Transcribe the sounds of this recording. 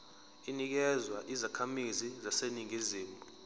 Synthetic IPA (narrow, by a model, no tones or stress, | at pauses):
inik̬ɛzwaʔizakʰamizizaseniŋiziːmtʼu